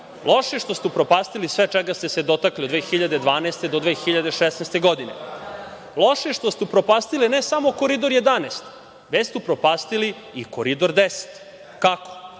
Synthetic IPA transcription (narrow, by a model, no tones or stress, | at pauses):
lˠʔoʃeʃt̪o̞st̪upɾopaːst̪ilisʋet͡ʃeɡast̪e̞sed̪ot̪akliod̪ʋeːxiʎad̪ed̪ʋaːnest̪ed̪od̪ʋeːxiʎad̪eʃesnest̪eɡod̪inḛ | lˠo̞ʃeʃt̪ost̪upɾopaːst̪ilinesamokoɾid̪oɾje̞d̪aneːst̪ | ʋet͡ɕst̪upɾopaːst̪ili | ikoɾid̪oɾd̪ese̥t̪ | kako̥